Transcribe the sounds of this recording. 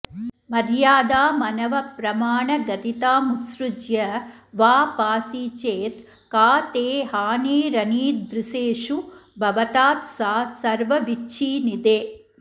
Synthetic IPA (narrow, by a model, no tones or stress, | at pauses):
mɐɾjaːd̪aːmɐnɐʋɐpɾɐmaːɳɐɡɐt̪it̪aːmut̪sɾud͡ʒjɐʋaːpaːsiːt͡ʃeːt̪ | kaːt̪eːɦaːneːɾɐniːd̪ɾuseːʂubʱɐʋɐt̪aːt̪saːsɐɾʋɐʋitːt͡ʃʰiːnid̪eː